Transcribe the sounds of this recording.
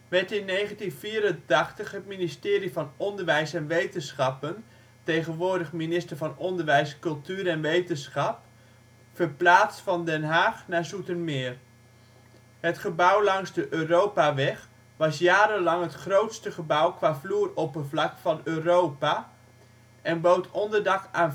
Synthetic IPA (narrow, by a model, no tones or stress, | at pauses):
ʋɛɹtɪnːejχəntinviːɾəntɑχtəχɦətministɪːɾivɑnɔndəɹʋɛjsɛnʋejtənsχɑpən | tejχənʋʊːɹdəχminɪstəɹvɑnɔndəɹʋɛjskɵlˠtyːɾɛnʋejtənsχɑp | fəɹplaːt͡stfɑndɛnɦaːχnaːɹzutənmɪːr | ɦətχəbʌwlɑŋzdəʔøːrowpaʋɛχ | ʋɑsjaːɾənlɑŋɦətχrowtstəχəbʌwkʋaːvluːrɔpənvlɑkfɑnøːrowpa | ʔɛnbowtʰɔndəɹdɑkaːn